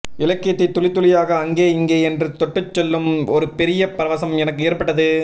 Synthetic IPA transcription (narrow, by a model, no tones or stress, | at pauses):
ɪlɐkːɪjɐt̪ːɐɪt̪ːʊɭɪt̪ːʊlɪjaːɣɐːŋɡeːɪŋɡeːɛndrɯt̪ɔʈːɯt͡ʃːɛlːɯmɔɾɯpɛɾɪjɐpɾɐʋɐsɐmɛnɐkːɯeːɾpɐʈːɐðɯ